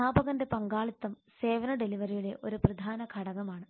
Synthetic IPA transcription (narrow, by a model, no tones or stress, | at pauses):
aːbɐɣɐnde̞pɐŋɡaːɭit̪ːɐmsseːʋɐnɐɖeliʋɐɾijiɭeʔo̞ɾuprɐd̪ʱaːnɐkʰɐɽɐɣɐmaːɳɨ